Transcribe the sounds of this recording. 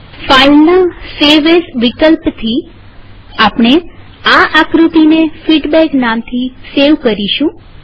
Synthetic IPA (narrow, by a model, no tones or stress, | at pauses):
falnəseʋesʋikəlpt̪ʰi | apɳ̃e | aʔakɾut̪inefiɖbɛknamt̪ʰiseʋkəɾiʃũ